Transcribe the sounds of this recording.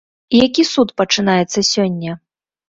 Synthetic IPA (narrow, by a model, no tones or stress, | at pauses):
ijakʲisut̪pɐt͡ʂɨnajɛt̪sːɐsʲɔnʲːɐ